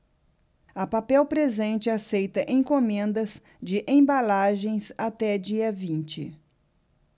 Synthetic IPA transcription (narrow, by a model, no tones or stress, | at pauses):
ɐpapɛwpɾezẽnt͡ʃɪasejt̪ɐʔẽj̃kõmẽnd̪ɐz | d͡ʒɪʔẽbalaʒẽj̃sat̪ɛd͡ʒiɐvĩnt͡ʃɪ̰